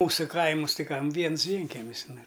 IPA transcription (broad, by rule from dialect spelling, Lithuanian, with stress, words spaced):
ˈmuːsʊ ˈkɐɪmʊs ˈtɐɪ ˈkɐm ˈʋʲiɛns ˈʋʲiɛŋʲkʲɛmʲɪs ˈnʊ